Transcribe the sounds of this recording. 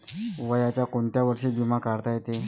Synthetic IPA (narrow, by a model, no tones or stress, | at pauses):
ʋəjat͡ɕjakoɳt̪jaʋəɾʂiːbimãkaɽt̪ajet̪e